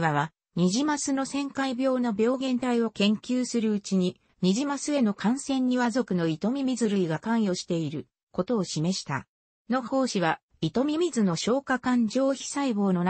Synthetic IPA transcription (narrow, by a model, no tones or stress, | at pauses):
βaβa | ɲ̟iʑimasɨno̞sẽ̞ŋkaibʲo̞ːnabʲo̞ːɡẽ̞nt̪aio̞kẽ̞ŋkʲɨːsɨɾɯ̟ɯt͡ɕiɲ̟i | ɲ̟iʑimasɨe̞no̞kãɰ̃sẽ̞ɲ̟ːiβazo̞kɯ̟no̞it̪o̞mʲimʲizɨɾɯ̟iɡakãɰ̃jo̞ɕi̥t̪e̞iɾɯ̟ | ko̞t̪o̞ːɕime̞ɕi̥t̪a̰ | no̞ho̞ːɕiβa | it̪o̞mʲimʲizɨno̞ɕo̞ːkakãɲ̟d͡ʑo̞ːçi̥saibo̞ːno̞n